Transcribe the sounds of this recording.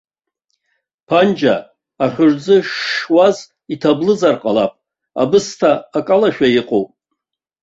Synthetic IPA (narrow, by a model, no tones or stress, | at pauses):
pʰand͡ʒa | aχʲʊrd͡zɨʃːwaz | itʰablɨzarqʼalapʼ | a̰bɨstʰaːkʼalaʃᶣaiqʼowpʼ